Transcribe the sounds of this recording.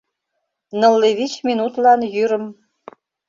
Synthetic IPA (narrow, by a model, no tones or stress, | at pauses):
nɤ̆lːeβit͡ɕmʲinut̪lɑnjyɾə̆m